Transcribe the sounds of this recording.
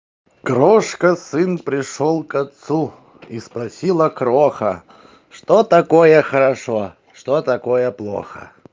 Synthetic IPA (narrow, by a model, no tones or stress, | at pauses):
kɾoʂkəsɨnpɾʲɪʂolˠkɐt̪su | ispɾɐsʲilˠəkɾoxə̰ | ʂt̪ot̪ɐkojəxəɾɐʂo | ʂt̪ot̪ɐkojəplˠo̰xə̰